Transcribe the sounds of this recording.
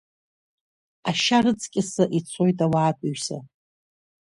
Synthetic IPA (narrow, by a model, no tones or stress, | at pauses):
aʃarɨt͡sʰʼkʲʼɪsɨʔit͡sʰo̞jtʼawaːtʷʼaɥsa̰